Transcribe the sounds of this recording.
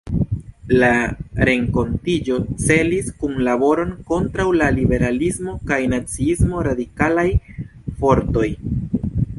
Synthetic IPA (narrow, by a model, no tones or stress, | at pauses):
laɾe̞ŋko̞ntid͡ʒo̞t͡se̞liskunlabo̞ɾo̞nko̞ntɾawlalibe̞ɾalismo̞kajnat͡siismo̞ɾadikalaj | fo̞ɾto̞j